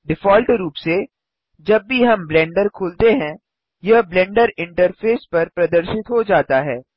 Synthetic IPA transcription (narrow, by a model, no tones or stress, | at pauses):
ɖɪfɔːlʈɾuːpse | d͡ʒɐbːiɦɐmblɛ̃ːɳɖəɾkʰoːlt̪eɦɛ̃ | jɐɦblɛ̃ːɳɖəɾɪ̃ɳʈəɾfʰeːspɐɾpɾɐd̪əɾʃɪt̪ɦod͡ʒaːt̪aɦɛː